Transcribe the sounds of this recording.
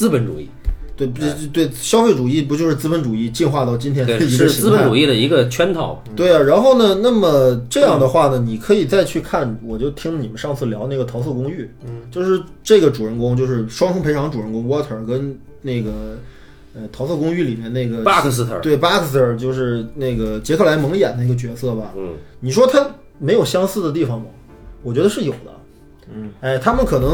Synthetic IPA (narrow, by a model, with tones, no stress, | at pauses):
t͡sɹ̩˥pə˧˥nʈ͡ʂṵ˨˩i˥˩t̪we˥˩ɪpt̪we˥˩ɪɕjɑ˥ʊfe˥˩ɪʈ͡ʂu˨˩i˥˩pu˧˥t͡ɕjo˥˧ʊʂɻ̩˥˧t͡sɹ̩˥pə˧˥nʈ͡ʂu˨˩i˥˧t͡ɕi˥˧nxwa˥˧t̪ɑ˥˩ʊt͡ɕi˥nt̪ʰjɛ˥˧ə˧i˧˥ə˧˥˧ʂɹ̩˥pə˧˥n˥ʈ͡ʂu˨˩i˥˩d̪ə˩i˧˥ɡə˧t͡ɕʰɥɛ˥nt̪ʰɑ˨˩˦ʊt̪we˥˩ɪɐ˩ɻa˧˥nxo˥˩ʊnə˩na˥˩mə˩ʈ͡ʂɤ˥˧jɑ˥˩ŋd̪ə˩xwa˥˩nə˩ni˨˩kʰɤ˧˥i˨˩t͡sa˥˧ɪt͡ɕʰy˥˧kʰa˥˩nwɔ˨˩t͡ɕjo˥˩ʊt̪ʰi˥ŋlə˧ni˨˩mə˦nʂɑ˥˧ŋt͡sʰɹ̩˥˩ljɑ˧˥ʊne˥˩ɡə˩t̪ʰɑ˧˥sʰɤ˥˩kʊ˥ŋy˥˩t͡ɕjo˥˧ʊʂɻ̩˥˧ʈ͡ʂɤ˥˩ɡə˩ʈ͡ʂu˨˩ɻə˥nkʊ˥ŋt͡ɕjo˥˧ʊʂɻ̩˥˩ʂwɑ˥ŋfʰʊ˥ŋpʰe˧˥˧ŋʈ͡ʂu˨˩ɻə˥˩nkʊ˥ŋwɔ˥t̪ʰə˞˨˩kə˥n | ne˥˩ɪɡə˩ | ə˧t̪ʰɑ˧˥sɤ˥˩kʊ˥ŋy˥˩li˨˩mjɛ˥˧ne˥˩ɪɡə˩˥˧t̪we˥˩ɪpa˥k̪ʰə˞˨˩t͡ɕjo˥˧ʊʂɻ̩˥˧ne˥˩ɪɡə˩t͡ɕjɛ˧˥kʰɤ˥˩la˧˥ɪmɤ˧˥ŋjɛ̰˨˩nd̪ə˥i˧˥ɡə˧t͡ɕɥɛ˧˥sɤ˥˩bɐ˩ni˨˩ʂ̬wɔ˥t̪ʰa˥ | me˧˥ɪjo˨˩ʊɕjɑ˥ŋsɹ̩˥˩d̪ə˩t̪̬i˥˩fɑ˨˩ŋmɐ˩ | wɔ˨˩t͡ɕɥɛ˧˥d̪ə˧ʂɻ̩˥˩jo˨˩ʊd̪ə̰˦ | e˥˩ɪt̪ʰa˥mə˨nkʰɤ˨˩nɤ˧˥ŋ